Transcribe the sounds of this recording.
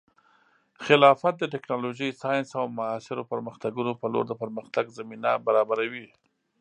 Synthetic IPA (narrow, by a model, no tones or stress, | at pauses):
xɪlɑfat̪̚d̪əʈɪknɑloʒəjsɑjɪnsawmʊɑsɪɾopəɾməxt̪aɡunopəlo̰ɾd̪əpəɾməxt̪aɡzaminabaɾɑbaɾawi